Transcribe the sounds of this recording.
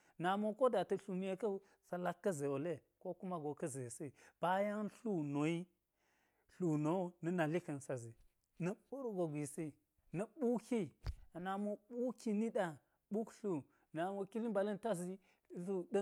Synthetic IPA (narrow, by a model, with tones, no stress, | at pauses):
na˨mo˨ko˦da˨tɐ˨ɬu˨mi˦je˦kɐ˦ | sa˨la˦kːɐ˦ze˨wo˨le˦ko˦ku˦ma˦ɡo˨kɐ˦ze˨si˦b̥a˦ja˦ŋ˦ɬu˦no˨i˦ | ɬu˨no˨˦nɐ˨na˨li˦kɐ˨nsa˨zi˨ | nɐ˨ɓu˦ɾɡo˨ɡʷi˨si˦ | nɐ˨ɓu˦ki˦a˨na˨mo˨ɓu˦ki˦ni˦ɗa˨ | ɓu˦kɬu˨ | na˨mo˨ki˦li˦mba˨lɐ˦nta˦zi˦ | ɬu˦ɗɐ˦